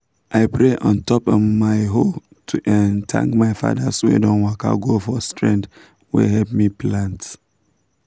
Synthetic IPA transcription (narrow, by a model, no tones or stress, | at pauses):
ʔaɪpɹeʔɔ̃ntɔpɔvmaɪɦo | tʰuʔɛ̃ntʰã̰ŋkmaɪfa̰daswḛdɔ̃nwaka̰ɡofɔstɹɛ̃nd | wɛ̰hɛp̚miplãnt